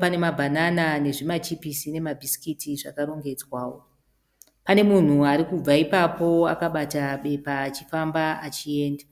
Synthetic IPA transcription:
pane̞mabʱananane̞ʐimat͡ʃipisine̞mabʱisi̥kitiʐa̰kaɾo̞ŋɡe̞d͡zwaːwo̰ | pane̞mun̤uaɾikub͡vaipapo̞a̰kaɓataɓe̞paːt͡ʃifambaat͡ʃie̞ːnda

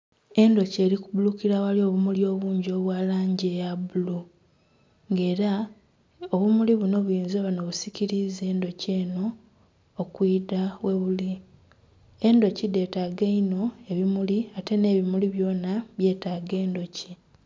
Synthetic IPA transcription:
e̞ndo̞ce̞ːɾikuβulukiɾawalio̞βumuljo̞ːβuːɲɟo̞ːβwaːlaːɲɟejabulu | ŋɡe̞ːɾa | oβumuliβuno̞βujiːnzaβano̞βusiciɾize̞ːndo̞ceːno̞ː | kwiːdawe̞βuli | e̞ndo̞cide̞ːtaɡeino̞e̞βimuliate̞ne̞ːβimuliβjo̞ːnaβje̞ːtaːɡe̞ːndo̞ci

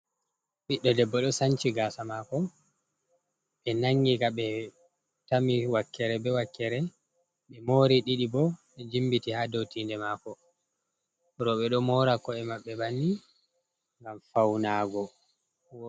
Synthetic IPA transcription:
ɓiɗːɔdɛbːɔɗɔsant͡ʃiɡaːsamaːkɔ | ɓɛnaŋɡikaɓɛ | tamiwakːɛɾɛbɛwakːɛɾɛ | ɓɛmoːɾiɗiɗibɔɓɛd͡ʒimbitihaːdowtindɛmaːkɔ | ɾɔɓɛɗɔmɔɾakɔɛmaɓːɛbanːi | ŋɡamfawnaːɡɔ

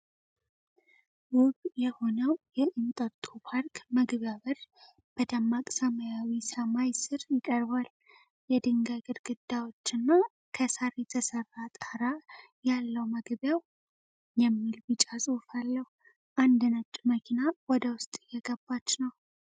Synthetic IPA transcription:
wʊβjɛho̞nəwjɛʔɨnt̪ʼət̪ʼupʰaɾkʰməɡβjaβər | b̥əd̪amːakʼsəməjawisəmajsɨɾjɪkʼəɾβal | jɛd̪ɨŋɡaɡɨɾɡɨd̪̥ːawo̞t͡ʃːɨnːa | kʰəsaɾet̪ʰəsərːat̪ʼaɾa | jalːəwməɡbjaw | jɛmːilbɨt͡ʃʼasʼɨhfalːəhu | ʔand̪ɨnət͡ʃʼːməkʰinawɔd̪əwʊst̪ʼɪjːɛɡəbːat͡ʃːnəw

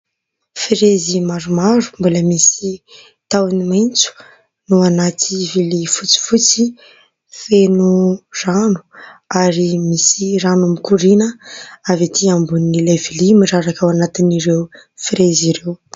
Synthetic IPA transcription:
fiɾezimaɾumaɾu̥mbuləmisi | t̪awnimajnt͡su̥ | nuanat̪ʰivilifut͡si̥fut͡si | fenuranu̥aɾimisiranumikuɾinəavat̪ʰiambunːilevilimiɾaɾakawanat̪iniɾew | fiɾeziɾew

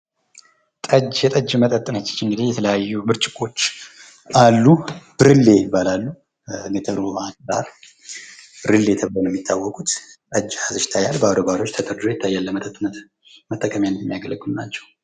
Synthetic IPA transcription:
t̪ʼəd͡ʒjɛt̪ʼəd͡ʒmət̪ʼət̪ʼːɨnat͡ʃːɛ̥t͡ʃːɨŋɡɨd̪ihjɛt̪ʰələjajːubɨɾt͡ʃʼɪkʼo̞t͡ʃː | ʔalːub̥ɨɾɨlːe̞ɪbːalalːu | ŋɡət̪ʰəɾohatsa̰ɾ | bɨɾɨlːet̪ʰəblonjɛmːit̪ʰːawːɔkʼut̪t̪ʼəd͡ʒːhazɨʃt̪ʰajalbəad̪obaɾo̞t͡ʃːt̪ʰət̪ʼəɾd̪ɾojɛt̪ʰːajːalːəmət̪ʰət̪ʼːunːət̪ | mət̪ʼːəkʼəmjandɛmːijaɡələɡʼunna̰t͡ʃːɛw

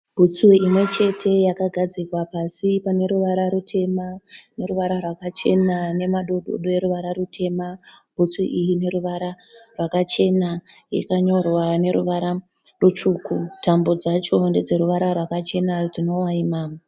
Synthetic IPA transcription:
bʱut͡siimwe̞t͡ʃe̞tʰe̞jakaɡʱad͡zikwapasipane̞ɾuʋaɾaɾutʰe̞mane̞ɾuʋaɾarwakat͡ʃe̞nane̞maɗo̞ɗo̰ɗo̞je̞ɾuʋaɾaɾutʰe̞mabʱut͡suḭʔijine̞ɾuʋaɾa | rwakat͡ʃe̞na | jḭkaɲo̞rwane̞ɾṵʋaɾa | rut͡ʃuːkutʰambo̞d͡zat͡ʃo̞nde̞d͡ze̞ɾuʋaɾarwakat͡ʃe̞nard͡zino̞waimaːma

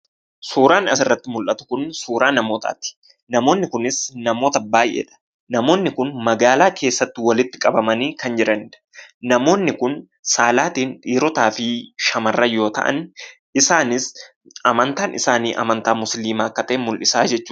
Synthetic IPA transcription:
suːɾaːnɐsɪrːɐt̪ːɪmʊlʔɐt̪ʊ̥kʊnsuːɾaːnɐmo̞ːt̪a̰ːt̪ɪ̥ | nɐmo̞ːnːɪkʊnɪsnɐmo̞ːt̪ɐbaːjʔḛːᶑɐ̥ | nɐmo̞ːnːɪkʊnmɐɡaːlaːkʰe̞ːsːɐt̪ːɪwɐlɪt̪ːɪ̥kʼɐbɐmɐniːkɐnd͡ʒɪɾɐnɪᶑɐnɐmo̞ːnːɪkʊn | saːlaːt̪iːnᶑiːɾɔt̪aːfɪʃɐmɐrːɐjo̞ːt̪ɐ̰ʔɐ̰n | ɪsaːnɪs | ɐmɐnt̪aːnʔɪ̰saːniːʔɐ̰mɐnt̪aːmʊsliːmaːkːɐt̪eːmʊlʔɪsaːd͡ʒɛt͡ʃːuː

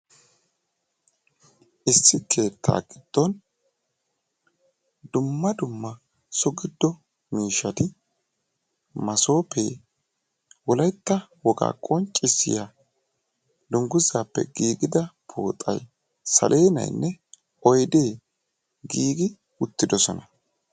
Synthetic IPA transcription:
ʔɪsːɪkʰe̞ːt̪ʰːa̰ːɡɪd̪̥ːɔn | d̪ʊmːɐd̪ʊmːɐ | sɔɡɪd̪ːɔ | miːʃːɐt̪ɪ | mɐso̞ːpeː | wɔlɐjt̪ːɐwɔɡa̰ːkʼɔnt͡ʃʼːɪsːɪ̰ja | d̪ʊŋɡʊzaːpːɛ̰ɡiːɡɪd̪ɐpʰo̰ːt̪ʼɐ̰j | sɐ̰lʔe̞ːnɐ̰jnːɛ | ʔɔjd̪eː | ɡiːɡɪ | ʊt̪ːɪd̪ɔsɔnɐ

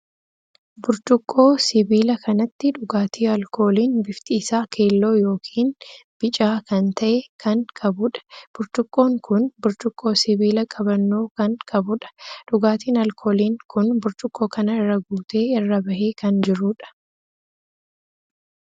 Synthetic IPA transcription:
bʊɾt͡ʃʊkʼːo̞ːsɪbiːlɐkɐnɐt̪ːɪᶑʊɡaːt̪ʰiːɐlkʰo̞ːliːnbɪft̪ʼiːsaːkʰe̞ːlːo̞ːjo̞ːkʰiːnb̥ɪt͡ʃʼaːkɐnt̪ɐʔekʰɐŋkʰʼɐbʊᶑɐ̥b̥ʊɾt͡ʃʊkʼːo̞ːŋkʊnbʊɾt͡ʃ̪ʊkʼːo̞ːsɪbiːlɐkʼɐbɐnːo̞ːkɐŋkʼɐbʊᶑɐ̥ᶑʊɡaːt̪iːnɐlkʰo̞ːliːŋkʊnbʊɾt͡ʃ̪ʼʊkʼːo̞ːkɐnɐɪrːɐɡuːt̪eːɪrːɐbɐʔeːkɐnd͡ʒɪɾʊᶑɐ̥

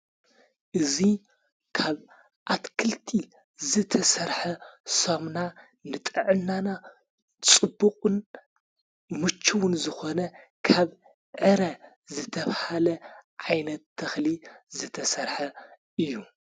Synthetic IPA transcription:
ʔɨzi | kʰaβ | ʔat̪kʰɨlt̪ʰi | zɨt̪ʰɐsɐɾħɐsomna | nɨt̪ʼɨʕɨnːana | t͡sʼɨbːuqʼɨn | mɨt͡ʃʰːɨwʊnzɨxo̞nɐkʰaβ | ʕɨɾɐ | zɨt̪ʰɐβhalɐʕajnɐt̪ʰːɐxlizɨt̪ʰɐsɐɾħɐ | ʔɨjːu

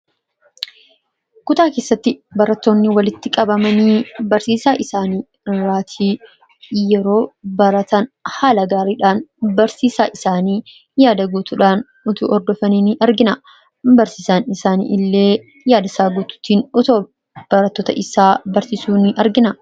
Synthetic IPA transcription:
kʊt̪aːke̞ːsːɐt̪ːɪbɐɾɐt̪ːo̞ːnːɪwɐlɪt̪ːɪkʼɐbɐmɐniːbɐɾsiːsaːʔɪsaːniː | ɪrːaːt̪ʰiː | jɛɾo̞ːbɐɾɐt̪ɐnhaːlɐɡaːɾiːᶑaːnbɐɾsiːsaːʔɪsaːniː | jaːd̪ɐɡut̪uːᶑaːn | ʊt̪ṵːʔɔɾd̪ɔfɐninʔɐɾɡɪnɐ | bɐɾsiːsaːnɪsaːnḭʔɪlːe̞ː | jaːd̪ɐsaːɡuːt̪ʊ̥t̪ːiːnɔt̪oː | b̥ɐɾɐt̪ːoːt̪ɐʔɪsaːbɐɾsisuːnɪʔɐɾɡɪnɐ

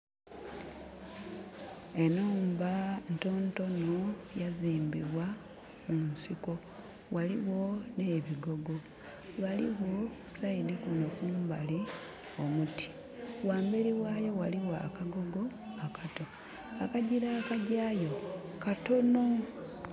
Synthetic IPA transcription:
e̞noːmbanto̞nto̞nojaziːmbiβwa | munsiko̞ | waliɣo̞ne̞βiɡo̞ɡo | βalḭwosaidikunokuːmbali | omutʰi̥ | waːmbeɾiwajo̞waliwa̰kaɡo̞ɡo̞ | akʰato̞ | akaɟiɾaːkaɟaːjo̞kato̞no̞

